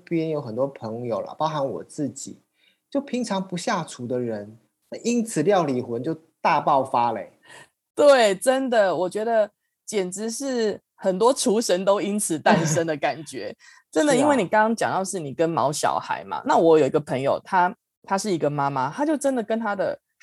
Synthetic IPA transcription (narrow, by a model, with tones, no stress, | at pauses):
pjɛ˥˦njo˧˥ʊxə˨˩nt̪wɔ˥pʰə˧˥ŋjo˨˩ʊlɐ̰˨˩pɑ˥ʊxa˧˥nwɔ̰˨˩t͡sɹ̩˥˩t͡ɕḭ˨˩˦ | t͡ɕjo˥˩ʊpʰi˨˥ŋʈ͡ʂʰɑ˧˥ŋpu˧˦ɕja˥˩ʈ͡ʂʰu˧˥d̪ə˧ɻə˧˦n | na˥˧ʔi˦˥nt͡s̩ʰ˨˩ljɑ˥˩ʊli˨˩xwə˨˦nt͡ɕjo˥˧ʊt̪a˥˧pɑ˥˨ʊfa˦lə˧e˨˦ɪ | t̪we˥˩ɪʈ͡ʂə˦˥nd̪ə˨wɔ˨˩t͡ɕɥɛ˧˥d̪ə˨ | t͡ɕjɛ˨˩nʈ͡ʂɻ̩˧˦ʂɻ̩˥˩ | xə˨˩nt̪wɔ˥ʈ͡ʂʰu˧˥ʂə˧˥nt̪o˥ʊi˦˥nt͡s̩ʰ˨˩t̪a˥˧nʂə˥nd̪ə˨ka˨˩nt͡ɕɥɛ˧˦ | ʈ͡ʂə˦nd̪ə˨i˥nwe˥˩ni˨˩kɑ˥ŋkɑ˥ŋt͡ɕjɑ˨ŋt̪ɑ˥˧ʊʂɻ̩˥˩ni˨˩kə˦nmɑ̰˧˥ʊɕjɑ̰˨˩ʊxa̰˧˥˦ɪma̰˨˩na˥˩wɔ˧˥jo˨˩ʊi˧ɡə˧pʰə˧˥ŋjo̰˨˩ʊt̪ʰa˥ | t̪ʰa˥ʂɻ̩˥˩i˧˥ɡə˨ma˦ma˦t̪ʰa˥t͡ɕjo˥˩ʊʈ͡ʂə˦˥nd̪ə˨kə˦nt̪ʰa˥d̪ə̰˨